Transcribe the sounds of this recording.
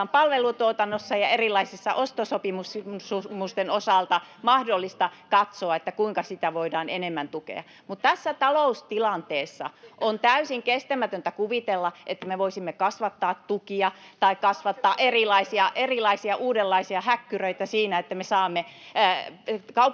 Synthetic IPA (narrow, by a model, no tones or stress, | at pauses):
mpɑlʋelut̪uot̪ɑnːosːɑjɑerilːˑɑisesːɑʔost̪osopimussumust̪enosɑˑlt̪ɑmɑhdolːist̪ɑkɑt̪soɑet̪ːækuiŋkɑsit̪æʋoidɑːnenemːænt̪ukḛɑ̰ | mut̪t̪æsːæt̪ɑloust̪ilɑnt̪eːsːɑ̰ʔont̪æysiŋkest̪æmæt̪ønt̪ækuʋit̪elːɑʔet̪ːæmeʋoisimːekɑsʋɑt̪ːɑːt̪t̪ukiɑt̪ɑikkɑsʋɑt̪ːɑːʔerilɑisiɑʔerilɑisiɑʔuːdelːɑisiɑhækːyrøit̪æsiːnæet̪ːæmesɑːmːe | kɑup